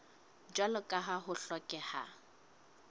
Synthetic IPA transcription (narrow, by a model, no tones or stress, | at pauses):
d͡ʒwalʊkʼaɦaɦʊɬɔkʼɛha̰